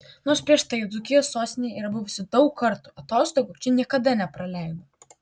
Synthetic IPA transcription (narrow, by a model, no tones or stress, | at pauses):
noːɾspʲɾʲiɛʃt̪ɐɪd̪zʊkʲɪjoːsːoːst̪ʲɪnʲejɛiːɾɐbʊʋʊsʲɪd̪ɒʊkkːɐɾt̪uɐt̪oːst̪oːɡut͡ʃʲɛnʲiɛkɐd̪ɐnʲɛpɾɐlʲɛɪd̪o